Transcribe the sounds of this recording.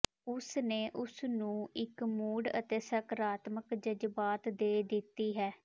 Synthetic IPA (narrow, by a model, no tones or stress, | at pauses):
ʊsneːʔʊsnũːɪkmuːɽə̰t̪eːsəkɾaːt̪məkd͡ʒəd͡ʒbaːt̪d̪eːd̪ɪt̪ːiːɦɛː